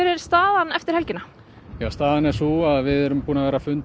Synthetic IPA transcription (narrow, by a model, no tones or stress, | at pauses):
œɾɪɾ̥st̪aːðanɛft̪ɪɾ̥hɛlcɪna | jaːst̪aːðanɛɾsuaðvɪðɛɾʏmpuːnavɛːɾafʏnt̪